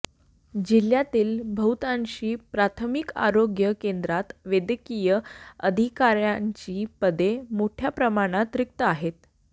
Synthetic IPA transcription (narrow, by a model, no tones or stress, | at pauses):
d͡ʑil̤jat̪iːlbʱəwt̪aɲɕiːpɾat̪ʰəmika̰ɾoɡjəkend̪ɾat̪ʋed̪əkijəəd̪ʱikaɾjaɲt͡ɕiːpəd̪emoʈʰjapɾəmaɽ̃at̪ɾik̚t̪əaɦet̪̚